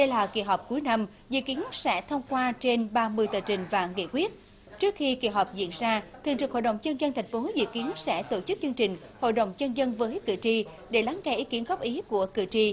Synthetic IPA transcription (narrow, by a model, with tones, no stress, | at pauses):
ɗə˧jlaː˨˩ki˧˩ɦɔ˨˩wk͡p̚ku˨˦jna˧m | zɨ̰˧˨ki˨˦ənsɛ̰˧˥t̪ʰə˧wŋ͡mkwaː˧t͡ɕe˧nɓaː˧mɨ˧əjt̪əː˧˨˩t͡ɕï˨˩ŋ̟va̰ː˨˧˩ŋḛ˧˨kwi˦˥ət̚ | t͡ɕɨ˦˥ək̚xi˧ki˧˩ɦɔ˨˩wk͡p̚zḭ˧˨ənzaː˧t̪ʰɨ˨˩əŋt͡ɕɨ˨˩ho˧˨jɗə˨˩wŋ͡mt͡ɕə˧nzə˧nt̪ʰɛ˨˩jŋ̟fo˨˦zɨ̰˧˨ki˨˦ənsɛ̰˧˥t̪o˧˩t͡ɕɨ˦˥k̚t͡ɕɨ˧əŋt͡ɕï˨˩ŋ̟ho̰˧˨jɗə˨˩wŋ͡mt͡ɕə˧nzə˧nvəː˨˦jkɨ̰˧˨˩t͡ɕi˧ | ɗe˧˩laː˨˦ŋɣa˧˩jʔi˨˦ki˨˦ənɣɔ˦˥p̚ʔi˨˦ku˧˩əkɨ˧˩t͡ɕi˧